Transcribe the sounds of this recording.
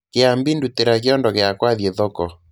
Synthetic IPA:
keambinduteɾak̬eɔndɔɣeakwaðjɛðɔkɔ

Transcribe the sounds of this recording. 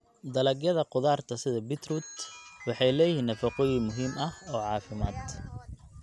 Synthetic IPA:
d̪ɐlɐɡjɐðɐqʊðaːrt̪ʰɐsɪðɐbɪt̪rut̪wɑħɑjlɛːjɪhiːnːɐfɐqʊjimʊɦiːmɐhɔːʕɑːfɪma̰ːd̪

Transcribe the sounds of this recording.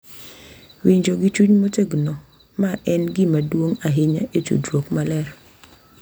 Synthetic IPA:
wiɲd͡ʒoɡɪt͡ʃuɲmoteɡno | maʔɛnɡɪmadwoŋaɦɪɲaet͡ʃṵdɾwokmalɛɾ

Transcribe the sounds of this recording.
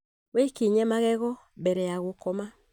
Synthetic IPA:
wekeɲɛmaɣɛɣɔ | mbɛɾɛjaɣokɔma

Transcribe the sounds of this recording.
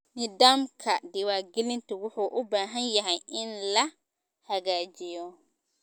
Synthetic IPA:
nɪd̪aːmkʰɐd̪ɪwaːɡɛlɪnt̪ʰʊwʊħuːʔʊbaːɦɐnjɐɦɛjʔɪnlɐ | hɐɣaːt͡ʃɪjɔ

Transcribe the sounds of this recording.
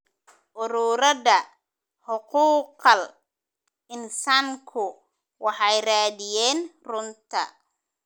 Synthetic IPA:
ʔʊɾuːɾɐðɐ | ħʊquːqɐl | ɪnsaːŋkʰʊ | wɑħɑjraːðɪjɛːnrʊnt̪ʰɐ̰

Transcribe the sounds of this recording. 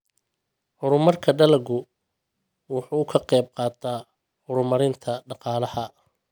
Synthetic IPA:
hʊɾʊmɐrkʰɐɖɐlɐɡʊ | wʊħuːkʰɐqɛjb̚qɑːt̪ʰaː | hʊɾʊmɐɾɪnt̪ʰɐɖɑqɑːlɐhɐ

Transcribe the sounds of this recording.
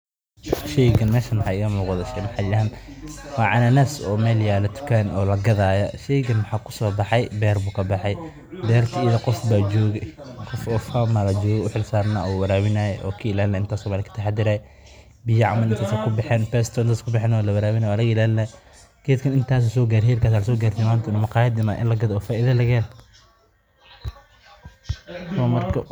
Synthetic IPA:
ʃɛjɡɐnmɛːʃɐnmħaːɪɣɐmuːqðɐʃɛjmɐħɑɪaːnwɑːʕɑnɐnɐsɔːmɛːljaːlɐt̪ʰʊ̥kʰanɔːlɐɡɐðaːjɐʃɛjɡɐnwħaːkʰʊ̥sɔːbɑħɑjbɛːrbuːkʰɐbɑħɑj | bɛːrt̪ʰɐijðɐqɔfbaːd͡ʒɔːɣɛqɔfɔːfamɐlɐd͡ʒɔːɣɛʊħɪlsaːɾnaːɔwɐɾaːwɪnajɛʔɔːkʰiɪlaːlnɛɪnt̪ʰaːsɔmaːlɪkʰɐ̥t̪ʰɐħad̪ɪɾaːjɛ | bɪjɐʕa̰mɐnɪnt̪ʰaːsɛkʰʊbɪħɛːnfɛst̪ʰɔɪnt̪aːskʰʊbɪħɛːnɔlɐwɐɾaːwɪnaːjɔɐlɐɣɪlaːlɪnɛ | ɡ̥ɛːd̪kʰɐnɪnt̪ʰaːs̬ɛsɔːɡaːɾhɛːlkʰaːs̬aːlɐsɔːɡaːɾrt̪ʰɛmaːnt̪ʰɪnːmɐqɑːjɐd̪ɪnaːʔɪ̰nlɐɡɐðɔːfaːʔɪðɐlɐɣɛːl | st̪ʰwmɐrkʰɐ

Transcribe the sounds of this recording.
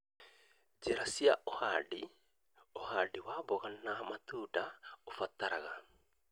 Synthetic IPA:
d͡ʒeɾasiaʔoha̰di | ohadiwaβoɣanamat̪uːdaofat̪aɾaɣa

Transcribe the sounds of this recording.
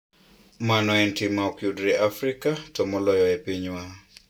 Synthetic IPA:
manɔɛntimaɔkjudɾɛʔafɾikatɔmɔlɔjɔɛpiɲwa

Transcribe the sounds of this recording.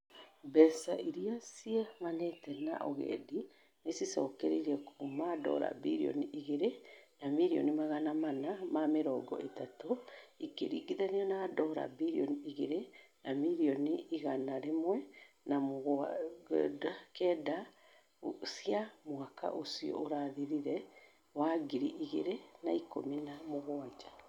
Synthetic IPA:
bɛsaʔiɾiasiɛmanetɛna̰ʔɔɣɛ̰di | nesisɔkɛɾḛɾɛkuumadɔ̰ɾa̰biɾiɔ̰niʔiɣeɾenamiɾiɔ̰nimaɣanamanamameɾɔɡɔ̰ʔetatoikeɾḭɡiðaniɔnadɔɾa̰biɾiɔ̰niiɣeɾenamiɾiɔniiɣanaɾemwɛ | namoɣ | dakɛːda | siamwaka̰ʔosiɔ̰oɾaðiɾiɾɛ | waɡiɾiʔiɣeɾenaiko̰minamoɣwad͡ʒa

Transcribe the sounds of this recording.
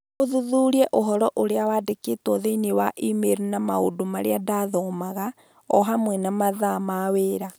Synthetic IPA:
oðuðuɾiɛʔoɦɔɾɔʔoɾeawaːdeketwɔðeinewaʔimeɾunama̰o̰domaɾḛadaðɔmaɣa | ɔɦamwɛnamaðamaweːɾa

